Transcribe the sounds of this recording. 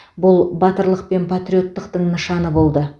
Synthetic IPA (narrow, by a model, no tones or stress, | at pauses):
bʊlˠbɑt̪əɾlˠəq̚pe̞npʰat̪ɾʲio̞t̪ːəqt̪əɴnəʃɑnəbo̞lˠd̪ə